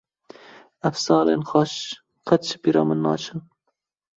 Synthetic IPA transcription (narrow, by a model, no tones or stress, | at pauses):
ɐfsɑːlḛːnxɑʃ | qʰɐt̪t͡ʃʰɨ̥piːɾɑːmɨnːɑːt͡ʃʰɨ